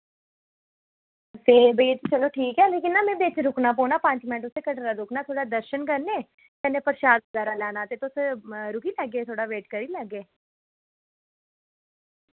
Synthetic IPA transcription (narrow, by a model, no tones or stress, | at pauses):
t̪eːbəiet̪et͡ʃəloːʈʰiːkɛːleːkɪnːaːmẽːbet͡ʃɾʊknaːp̬oːnaːpãːɲt͡ʃmɛ̃ːʈʊsekəʈɾaːd̪ʊknaːt̪ʰoːɽaːd̪əɾʃənkəɾneː | k̪ɛnẽːpəɾʃaːd̪̚ɡaːɾaːlaːnaːt̪et̪ʊsɾʊkiːlɛɡeːt̪ʰoːɽaːʋeːʈkəɾiːlɛɡeː